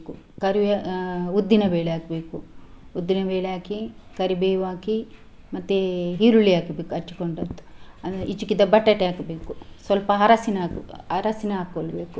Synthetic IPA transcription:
ku | kɐɾiʋud̪ːinɐbeːɭeaːkɐbeːkuud̪ːinɐbeːleaːkikɐɾibeːjʋaːki | mɐt̪ːeɦiːɾuɭiaːkɐbeːkuɐt͡ʃːi̥koɳɖɐt̪ːu̥ɐʔit͡ʃːukid̪ɐbɐʈːɐʈeaːkɐbeːkusʋɐlpɐɦɐɾɐsinaːkɐɾɐsinɐaːkːoːlɐbeːku

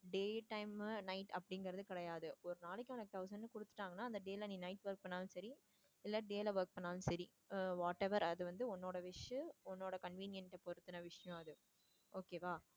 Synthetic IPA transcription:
ɖeːʈɐɪmnɐɪʈɐpːɐɽɪŋɡɐɾɐðɯkɪɽɐjaːðɯɔɾɯnaːlɛkʲːʊ̃ɐk̚t̪ʰɐʊs̬ɐɳɖnɯkʊɽɯt̪ːɯ̥ʈːaːŋɡɐnːaːɐnd̪ɐɖeːlɐniːnɐɪʈʋɐɾk̚pɐɳːaːl̃sɐɾi | ɪlːɐɖeːlɐʋɐɾk̚pɐɳːaːlɯ̃sɐɾi | ʋaːʈɛʋɐɾɐðɯʋɐnd̪ɯɔnːoːɽɐʋɪʂɯɔnːoːɽɐkɐnʋiːnɪjɐnʈːɐpɔɾɯt̪ːɯnɐʋɪʂɐjɔ̃ɐðɯ | oːkeːʋaː

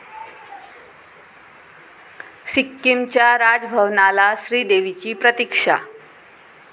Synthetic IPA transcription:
sikːimt͡ɕjaɾad͡zbʱəʋnalaɕɾiːd̪eʋit͡ɕiːpɾət̪ikʂa̰

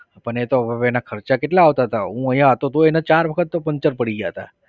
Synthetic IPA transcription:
pəɳet̪obəʋenakʰəɾt͡ʃakeʈlaːʋt̪aɦət̪ʰa̰ɦũəɦjãɦət̪ot̪oenat͡ʃaːɾʋəkʰət̪ːopəɲt͡ʃəɾpəɽiɡjaɦət̪a̰

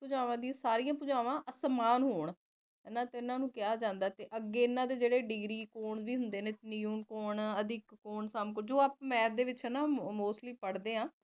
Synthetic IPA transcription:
pʊd͡ʒaːʋãːd̪iãːsaːɾiːãːpʊd͡ʒaːʋãːʔəsmaːnɦoːɳ | ɦɛːnãːt̪eɪnãːnũːkɪjaːd͡ʒãːnd̪aːt̪eːʔəɡːeːɪnãːd̪eːd͡ʒeːɽeːɖɪɡɾiːkoːɳsʋiːɦʊnd̪eːneːniːuːnkoːɳəd̪ɪkːoːɳsamkd͡ʒoːaːp̚mɛ̃ːd̪eːʋɪt͡ʃɦɛːnaːmoːsʈliːpəɽd̪eːɦãː

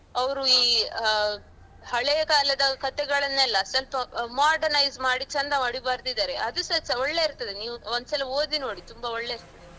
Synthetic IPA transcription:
ɐʋɾuiː | hɐɭɛjɐkaːlɐd̪ɐkɐt̪ɛɡɐɭɐnːɛlːɐsɐlpɐmaːɾɖɐɾnɐjzmaːɽit͡ʃːɐnt̪aːʋɐɽibaːɾd̪id̪aːɾeʔɐd̪usɐsɐɔɭːe̞iɾt̪ɐd̪eniːʋuond̪usɐlɐoːd̪ino̞ːɽit̪umbaɔɭːe̞iɾt̪ɐd̪e

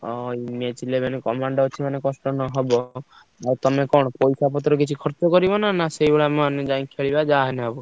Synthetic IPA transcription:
ɔimet͡ʃʰilemanekɔmaɳɖɔot͡ʃʰimanekɔsʈɔnɔɦebɔ | aɾt̪ɔmekɔɽɔpɔjsapɔt̪ɾɔk̬it͡ʃʰikʰɔɾt͡ʃɔkɔɾibɔnanaseibeɭamned͡ʒaĩkʰeɭibad͡ʒaɦeneabu

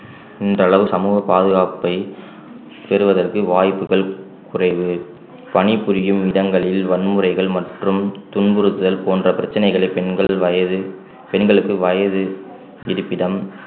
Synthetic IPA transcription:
ɪndrɐːɭɐʋɯsɐmuːɣɐpaːðɯɣaːpɐɪ | pɛɾɯʋɐðɐrkɯʋaːjpːɯɣɐɭ | kʊrɐɪʋɯ | pɐnɪpːɯɾɪjɯmɪɽɐŋɡɐɭɪlʋɐnmɯɾɐɪɣɐɭmɐʈrɯmt̪ʊnbɯɾɯt̪ːɯðɐlpoːndrɐpɪɾɐt͡ʃːɐnɐɪɣɐɭɐɪpɛnɐɐɐ | pɛnɡɐɭɯkːɯʋɐjɐðɯ | ɪɾɯpːɪɽɐm

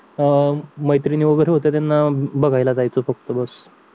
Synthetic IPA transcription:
məjt̪ɾiniʋəɡəɾeɦot̪et̪anːabəɡʱajlat̪ajt͡sofəkt̪əbəs

